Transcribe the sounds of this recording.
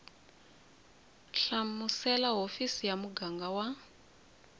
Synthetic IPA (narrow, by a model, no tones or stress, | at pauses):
ɬamusɛlaɦofisijamuɡaŋɡawa